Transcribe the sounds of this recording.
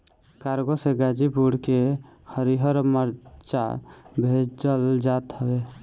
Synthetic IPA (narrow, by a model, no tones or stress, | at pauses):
kaɾɡoseɡad͡ʒipuɽke | həɾiɦəɾməɾt͡ʃa̰bʱed͡ʒəld͡ʒat̪ɦəbe